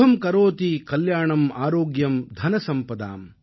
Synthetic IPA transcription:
ɦɐmkɐɾoːt̪ikɐljaːɳɐmaːɾoːɡjɐmd̪ʱɐnɐsɐmpɐd̪a̰ːm

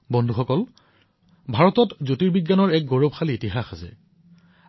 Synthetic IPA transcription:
bɔndʱuxɔkɔl | bʱaɹɔtɔtzotiɹbiɡjanɔɹɛk̚ɡoɹob̚xaliitiɦaxasɛ̰

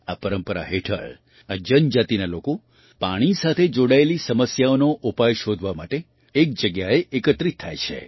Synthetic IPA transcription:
apəɾəmpəɾa̰ɦeʈʰə̰ɭ | ad͡ʒənd͡ʒat̪inaloko | paɽ̃isat̪ʰed͡ʒoɽaelisəməsjaonoʔupajʃod̪ʱʋamaʈeː | k̚d͡ʒəɡjaeʔekət̪ɾit̪ʰːa̰jt͡ʃʰḛ

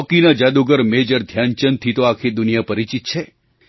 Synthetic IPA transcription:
ɔkinad͡ʒad̪uɡəɾmed͡ʒəɾd̪ʱjant͡ʃənt̪ʰit̪oakʰid̪unijapəɾit͡ʃit̪̚t͡ʃʰe

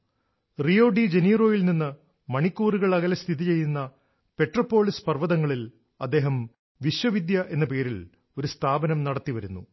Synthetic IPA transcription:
rio̞ːɖid͡ʑe̞niːro̞ːjilninːɨ | mɐɳikʲːuːruɣɐɭɐɣɐlɐst̪ʰiðit͡ɕe̞jːunːɐ | pe̞ʈrɐpːo̞ːɭispɐrʋɐðɐŋːɐɭil | ɐ̰d̪ːe̞ːɦɐm | ʋiɕwɐʋid̪jɐʔe̞nːɐpe̞ːɾil | o̞ɾust̪ʰaːbɐnɐmnɐɽɐt̪ːiʋɐɾunːṵ

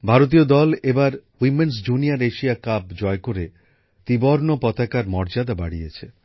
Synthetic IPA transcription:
bʱaɾot̪̬iod̪ɔlebaɾwimens̬d͡ʑuniaɾeʃijakabd͡ʑɔekoɾe | t̪iboɾnopɔt̪akaɾmɔɾd͡ʑad̪aba̰ɽiet͡ɕʰe

